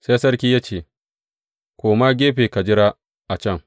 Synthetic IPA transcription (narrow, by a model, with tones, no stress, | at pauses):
se˦sɐ˦rkʲiː˦jaː˦t͡ʃeː˨ | kʷoː˨maː˦ɡʲeː˦ɸeː˨ka˨d͡ʒɪ˦ɾaː˦ | ʔa˨t͡ʃɛ˦˨ŋ